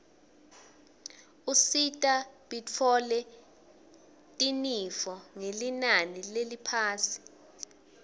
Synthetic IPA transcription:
usitʼaɓit͡fʰɔlɛ | tʼinifɔŋelinanilelipʰaːsi̥

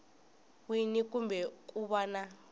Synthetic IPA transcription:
winikumbʱɛk̬ʼuɓana

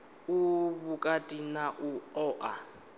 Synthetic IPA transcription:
uβukʼatʼinaʔuɔːʔa

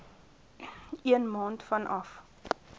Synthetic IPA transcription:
iənmɑːntfɐnʔɐf

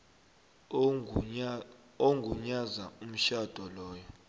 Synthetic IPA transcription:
oŋɡʱuɲazaum̩ʃad̥ʱɔlɔːjɔ

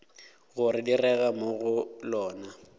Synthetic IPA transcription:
ɣʊrɪdirɛɣamoɣʊlɔːna

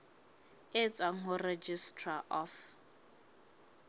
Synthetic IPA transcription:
ɪt͡sʼwaŋ̩ɦʊred͡ʒistʰʼraʔɔf

